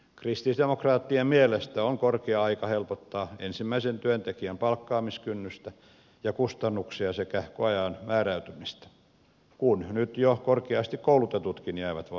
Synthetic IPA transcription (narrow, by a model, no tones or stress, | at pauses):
krist̪isd̪emokrɑːt̪ːiemmielest̪æoŋkorkeɑɑikɑhelpot̪ːɑːensimːæisent̪yønt̪ekiæmpɑlkːɑːmiskynːyst̪æ | jɑkust̪ɑnːuksiɑsekæhkoɑjɑːnmæːræyt̪ymist̪æ̥ | kunnyt̪jokorkeɑst̪ikkoulut̪et̪ut̪kinjæːʋæt̪ʋɑ